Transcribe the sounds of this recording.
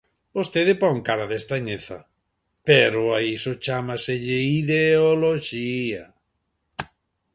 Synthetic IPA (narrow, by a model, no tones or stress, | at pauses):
bost̪eðɪpɔŋkaɾaðest̪aɲeθa̰ | peɾʊaisʊt͡ʃamaseʎɪiðeoloʃia